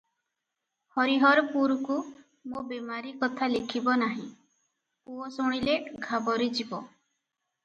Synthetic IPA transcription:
hɔɾiɦɔɾɔpuɾɔku | mobemaɾikɔt̪ʰalekʰibɔnaɦĩ | uɔsuɽ̃ileɡʱabɔɾid͡ʒibɔ

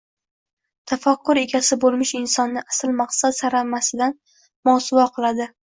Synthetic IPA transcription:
t̪ʰafaqːʊɾe̞ɡʲasɪbolˠmɪʃɪnsɒnːɪʔasɪlmaχqsat̪saɾamasɪd̪an | mɒsʊvaqʰɨlˠad̪ɪ

